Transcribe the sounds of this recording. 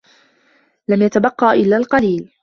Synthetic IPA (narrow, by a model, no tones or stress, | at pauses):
lamjat̪abɑqːɑːʔɪlːaːlqɑliːl